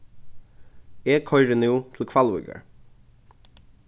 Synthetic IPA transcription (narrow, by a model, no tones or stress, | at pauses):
eːkʰɔʏɹənuːt̪ʰl̩kʰʋɑlwɪ̰ɡə̰ɹ